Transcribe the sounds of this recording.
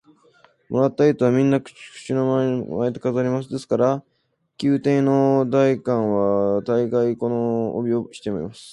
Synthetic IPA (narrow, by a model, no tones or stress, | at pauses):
mo̞ɾat̪ːait̪oβamʲĩnːakkɯ̥ɕino̞mamaet̪okazaɾʲimas̬ɨd̪e̞sɨ̥kaɾa | kʲɨːt̪ẽ̞no̞d̪aikãɰ̃βat̪aiɡaiko̞no̰ːbʲio̞ɕi̥t̪e̞moɾḭmasɨ̥